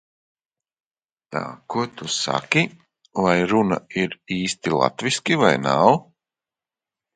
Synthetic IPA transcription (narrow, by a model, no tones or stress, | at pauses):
t̪a̰ːkuɔt̪usa̰kʲi | vajɾuna̰iɾiːst̪ilˠa̰t̪viskʲivajnaw